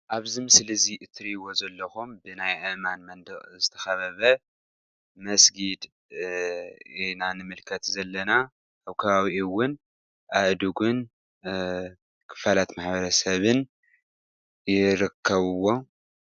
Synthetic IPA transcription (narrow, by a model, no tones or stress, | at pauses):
ʔaβzimɨslɨziʔɨt̪ʰɾiwo̞zɐlːɐxumbɨnajʔɨʔmanmɐnd̪ɨʔʼzɨt̪ʰɐ̥xɐβɐβɐ | mɐsɡid̪ | inanɨmɨlkʰɐt̪zɐlːɐna | ʔaβkʰɐβaβiʔiwʊn | ʔaʔd̪uɡun | kʰɨ̥falat̪maħbɐɾɐsɐβɨn | jɪɾɨkʰːɐβɨwo̞